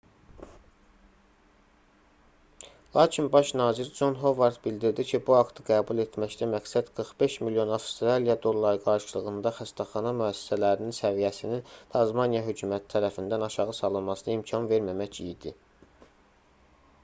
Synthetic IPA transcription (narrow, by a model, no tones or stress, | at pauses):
lˠɑːcʰinbɑʃnɑːziɾd͡ʒo̞nɦo̞vɑɾt̪bild̪iɾd̪icʰibuɑkt̪ʰɯɡæːbulˠe̞t̪ʰmæçt̪æmæksæd̪̥ɡ̥ɯɾχbe̞ʃmiljo̞nɑfst̪ɾɑlijɑd̪o̞lˠːɑɾɡɑɾʃɯlˠɯɣɯnd̪ɑxæst̪ʰæχɑnɑmyæsːi̥sælæɾininsævijæsinint̪ʰɑzmɑnijɑɦøcʰuːmæt̪ʰi̥t̪ʰæɾæfind̪ænɑʃɑʁɯsɑlˠɯnmɑsɯnɯimcʰɑnve̞ɾmæmæcijd̪i